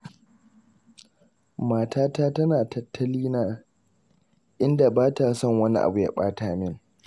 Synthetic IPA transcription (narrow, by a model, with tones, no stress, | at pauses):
maː˨tʰaː˦taː˦tɐ˦naː˨tɐ˨tʰːɐ˦liː˦naː˦ | ʔɪ˦nda˨baː˦ta˨sɔ˦˨ŋwɐ˦ni˦ʔa̰˨bu˨ja̰˦ɓaː˦taː˨mɪ˦˨ŋ